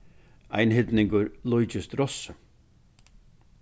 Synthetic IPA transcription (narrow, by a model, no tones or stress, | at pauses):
a̰jnhɪd̪nɪŋkʊɾlˠʊjd͡ʒɪst̪ɾɔsə